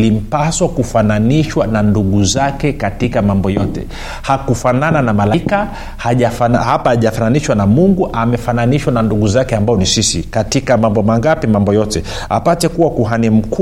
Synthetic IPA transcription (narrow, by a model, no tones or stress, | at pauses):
lim̩paswakufananiʃwananduɠuzakɛkatikamambɔjɔtɛ̰ | hakufanananamalaka | haʄafanahapaaʄafananiʃwanamuŋɡuʔamɛfananiʃwananduɠuzakɛambaɔnisisikatikamambɔmaŋɡapimambɔjɔtɛ | a̰patɛkuwakuɦanim̩k